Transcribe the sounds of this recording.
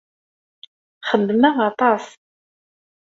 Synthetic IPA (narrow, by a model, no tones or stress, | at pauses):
χəd̪ːmæʁɑt̪ˤɑs